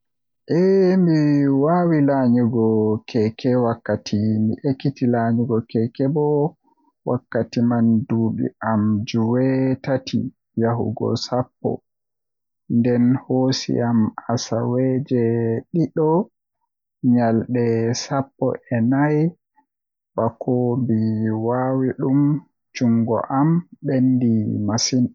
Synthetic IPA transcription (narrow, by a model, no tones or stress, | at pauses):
ʔɛmiwawilaɲuɡɔkʰɛkʰɛwakːatʰimḭʔekːitilaɲuɡɔkɛkɛbɔ | wakːatimanduːɗḭamd͡ʒuwɛtatʰḭ | jaɦṵɡɔ̰sapːɔ̰ | ndɛnhoːsḭamasawɛd͡ʒɛɗiɗɔ | ɲalɗɛsapːɔ̰ʔɛnaj | ɓakʰɔbiwawiɗum | t͡ʃuŋɡɔ̰ʔamɓendimasin